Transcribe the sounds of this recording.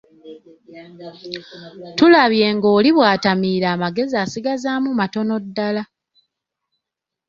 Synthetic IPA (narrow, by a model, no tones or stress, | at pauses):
tulaβje̞ːŋɡo̞ːliβwaːtamiːɾaːmaɡe̞ziaːsiɡazaːmumato̞no̞dːala